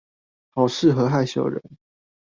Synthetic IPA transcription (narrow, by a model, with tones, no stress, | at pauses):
hɑ˨˩ʊʂɻ̩˥˨xɤ˨˧˦xa˥˧ɪɕjo˥˨˩ʊɻə̰˧˦n